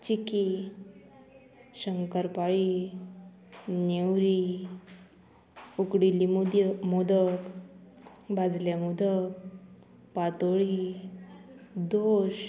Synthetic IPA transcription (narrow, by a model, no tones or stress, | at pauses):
t͡ɕiki | ɕəŋkəɾpaɭi | newɾi | ukɽilimod̪ək | bʱad͡zljamud̪ək | pat̪oɭi | d̪oɕ